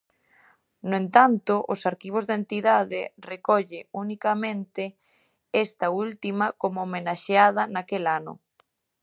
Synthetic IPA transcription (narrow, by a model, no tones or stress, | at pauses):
nʊent̪ant̪ʊʔʊsaɾkiβ̞ozðent̪iðaðɪrekɔʎɪunikamẽnt̪ɪ | ɛst̪ɐult̪imɐkomoːmenaʃeað̞ɐnakelanʊ̰